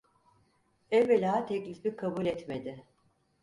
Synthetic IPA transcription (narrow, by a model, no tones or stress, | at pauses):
ɛvːelʲaat̪ʰɛclʲifikʰabuːlʲɛt̪med̪ɪ